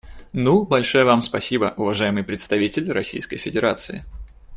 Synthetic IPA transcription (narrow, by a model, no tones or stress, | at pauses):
nubɐlʲʂojəvamspɐsʲibəʔʊvɐʐajɪmɨjpɾʲɪt̪st̪ɐvʲitʲɪlʲrɐsʲḭjskə̰jfʲɪdʲɪɾa̰t̪sɨɪ